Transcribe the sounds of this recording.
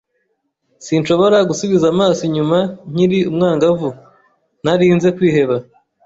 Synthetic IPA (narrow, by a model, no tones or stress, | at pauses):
sinʃo̞βo̞ɾaɡusuβizamaːsiɲumaɲ̥iɾiumŋaːŋɡavu | n̥aɾiːnze̞kwiːhe̞βa